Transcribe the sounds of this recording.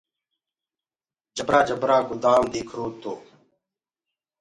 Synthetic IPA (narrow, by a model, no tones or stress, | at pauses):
d͡ʒəbɾaːd͡ʒəbɾaːɡʊd̪aːmd̪iːkʰɾuːt̪oː